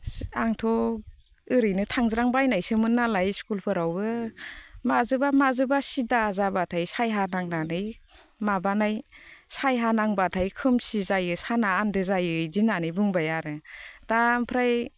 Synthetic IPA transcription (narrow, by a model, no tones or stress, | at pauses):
aŋtʰɔ | ɯɾɯjnɯtʰaŋzɾaŋbajnajsɯmɯnːalajskulpʰɯɾawbɯ | mazɯbamazɯbasidazabatʰajsajɦanaŋnanɯj | mabanajsajɦanaŋbatʰajkʰɯmsizajɯsanaːndɯzajɯzinanɯjbuŋbajaɾɯd̥ampʰɾaj